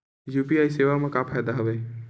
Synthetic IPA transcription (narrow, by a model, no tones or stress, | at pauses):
jupiajseʋamekapʰajd̪aɦəbɛ